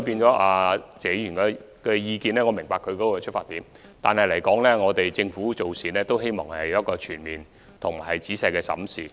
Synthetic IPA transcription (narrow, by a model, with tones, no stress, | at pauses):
piː˧nt͡ʃɔː˨˥ʔaː˧t͡sɛː˨˥jyː˨˩nkɛ˧ | kɛː˧jiː˧kiː˨˧nɛː˥ŋɔː˨˧mɪ˨˩ŋpaː˧kʰɵ˧ɥkɔ˨˥kɔ˧kɛ˧t͡ʃʰɵ˥faː˧t̪ːiː˨˥m | t̪a̰ː˨nhɐ˨jlɐ˨˩jkɔː˨˥ŋlɛː˥ŋɔː˨˧t̪e˨jt͡sɪ˧ŋfuː˨˥t͡so˨wsiː˨˩nlɛː˥t̪o˥wɦe˥jmɔ̰ː˨˩ŋhɐ˨jjɐ˥t̚kɔː˧t͡ʃʰyː˨˩nmiː˨n | t̪ʰʊ˨˩m˨˩hɐ˨jt͡siː˨˥sɐ˨˧jkɛː˧sɐ̰˨˥msiː˨